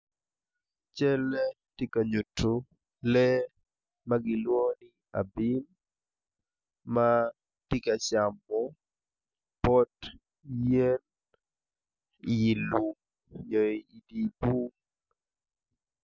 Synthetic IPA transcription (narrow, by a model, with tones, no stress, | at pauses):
t͡ʃɛ˦lɛ˦ | ti˦ka˨ɲu˨tʰːu˨ | lɛ˦ | maɡɪ˨lwo˦ni | a̰˨bi˦n | ma˦ | ti˦ka˨t͡ʃa˨mːɔ˦ | pɔ˦t | je˦n | jɪ˨lu˨m | jɔ˨i˨i˨di˨bu˦ŋ